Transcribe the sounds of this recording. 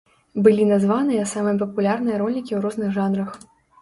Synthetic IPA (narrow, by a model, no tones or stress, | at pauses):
bɨlʲinazvanɨjɐsamɨjɐp̬ɐpulʲarnɨjɐɾɔlʲikʲiwɾɔznɨɣʐanrɐx